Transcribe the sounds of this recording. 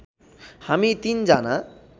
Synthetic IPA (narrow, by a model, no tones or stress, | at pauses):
hamit̪ind͡ʒana